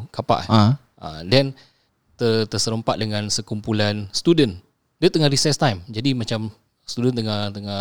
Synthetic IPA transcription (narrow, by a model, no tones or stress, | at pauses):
kapa̰ʔ | a̰dɛn | t̪ət̪əsəɾəmpaʔ̪̚dəŋãnsəkumpulanst̪udən | dət̪əŋahɾisɛst̪ajmd͡ʒadimat͡ʃam | st̪udənt̪əŋat̪əŋa